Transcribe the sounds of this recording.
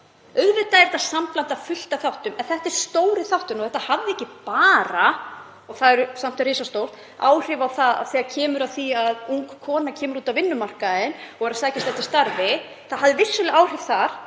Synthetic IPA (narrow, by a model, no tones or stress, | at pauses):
œðvɪt̪aɛɾt̪ːasamplant̪afʏl̥t̪aθawht̪ʏmɛnθɛht̪ɛɾ̥st̪oːwɾɪθawht̪ʏmɔɣθɛht̪ahavðɪɛhcːɪpaːɾa | ɔɣθaðɛɾʏsam̥t̪ʏriːsast̪owr̥t̪ | a̰ːwr̥ɪvawθaða̰θɛːɣacʰɛːmʏɾaðθiaðuŋkʰːɔːnacʰɛːmʏɾuːt̪avɪnːʏmar̥kaɪnɔɣɛɾasaːjcast̪aht̪ɪ̥st̪aɾvɪ | θaðɦavðɪvɪ̥sʏlɪaːwr̥ɪv̥θaɾ̥